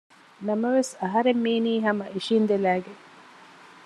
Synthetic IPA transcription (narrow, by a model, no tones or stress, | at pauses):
nɐmɐʋesɐɦɐɾemːiːniːɦɐmɐʔiʃiːnd̪elæːɡeŋ